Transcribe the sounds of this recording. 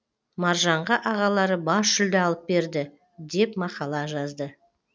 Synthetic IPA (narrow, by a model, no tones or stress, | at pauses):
mɑɾʒɑɴʁɑʔɑʁɑlˠɑɾəbɑsʃʏld̪ɪɑlˠəp̚be̞ɾd̪ɪ | d̪e̞pmɑqɑlˠɑʒɑzd̪ə